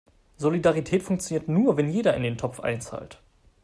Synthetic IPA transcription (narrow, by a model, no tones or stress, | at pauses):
zolidaʁitʰɛːtfʊŋk̚t͡sjoniːɐtnuːɐvɛnjeːdɐɪ̰ndeːntʰɔp͡fʔa̰ɪnt͡sa̰ːlt